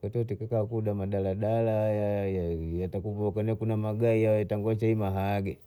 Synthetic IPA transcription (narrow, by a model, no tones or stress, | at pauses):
katɔtikakakuɗamaɗalaɗalajajajatakupɔkanɛkunamaɡaiawɛtaŋɡɔt͡ʃaimaɦaːɡɛ